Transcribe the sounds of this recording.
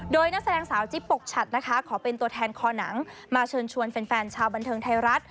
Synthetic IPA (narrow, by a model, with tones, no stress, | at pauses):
doː˧jna˦˥k̚sa˧dɛː˧ŋsaː˩˦wt͡ɕi˦˥pːo˨˩k̚t͡ɕʰa˨˩t̪̚na˦˥kʰa˦˥kʰɔː˩˦pe˧nt̪u˧ət̪ʰɛː˧nkʰɔː˧na˩˦ŋ | maː˧t͡ɕʰɤː˧nt͡ɕʰu˧ənfe˧nfɛː˧nt͡ɕʰaː˧wba˧nt̪ʰɤː˧ŋt̪ʰa˧jɾa˦˥t̪̚